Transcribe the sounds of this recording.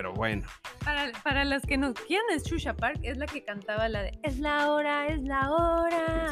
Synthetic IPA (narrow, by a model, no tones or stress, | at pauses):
eɾo̞̰βwḛnopaɾapaɾalaske̞noskjenest͡ʃuʃapaɾke̞zlake̞kant̪aβalaðḛezlaoɾae̞zlaoɾa